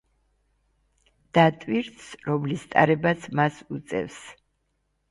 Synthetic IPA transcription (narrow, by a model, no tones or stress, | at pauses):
d̪̥at̪ʼwiɾt̪sɾɔmlist̪ʼa̰ɾɛbasʰmasut̪sʼɛ̰fs